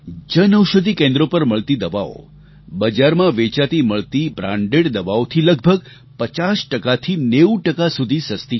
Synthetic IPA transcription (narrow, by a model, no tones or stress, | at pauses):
d͡ʒənəwʃəd̪ʱikẽnd̪ɾopəɾməɭt̪id̪əʋao̰ | bəd͡ʒaɾmãʋet͡ʃat̪iməɭt̪ibɾã̰ɳɖeɽd̪əʋaot̪ʰiləɡ̚bʱəɡ | pət͡ʃasʈəkat̪ʰineuʈəkasud̪ʱisəst̪i